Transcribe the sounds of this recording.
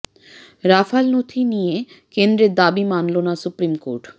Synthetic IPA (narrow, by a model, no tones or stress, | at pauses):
ɾafalnot̪ʰinije | kend̪ɾeɾd̪abimanlonasupɾimkoɾʈ